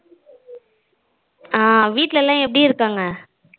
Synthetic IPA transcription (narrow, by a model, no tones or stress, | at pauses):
aːʋiːʈːlɛlːãːɛpːɐɽiɪɾɯkːaːŋɡɐ